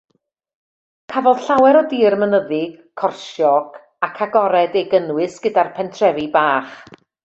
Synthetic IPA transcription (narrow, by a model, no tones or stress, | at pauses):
kʰavɔlˠd̥ɬawɛɾɔdiːrmənəðɪɡ̥kʰːɔrʃjɔɡ̥ | akʰaɡɔɾɛdeɡənwɨsɡ̥ədarpʰɛntʰrɛvibaːχ